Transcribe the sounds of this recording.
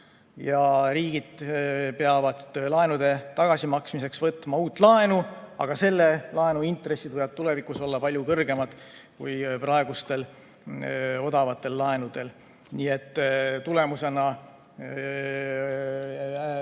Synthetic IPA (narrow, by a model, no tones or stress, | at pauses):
jɑɾiːɡ̥id̪̥pe̞ɑvɑd̪lɑenud̪̥e̞t̪ɑɡ̥ɑsimɑksmise̞ksvɤt̪ːˑmɑuːt̪ːˑlɑe̞nuɑ̰ɡ̥ɑse̞lːelɑenuint̪re̞sːid̪vɤjɑt̪̚t̪ule̞vikuso̞lːɑpɑlʲjukɤrɡ̥e̞mɑd̪̥ | kujprɑe̞ɡ̥ust̪e̞l | o̞d̪ɑvɑt̪ːˑe̞lːɑe̞nud̪̥e̞l | niːe̞t̪ːt̪ule̞muse̞nɑ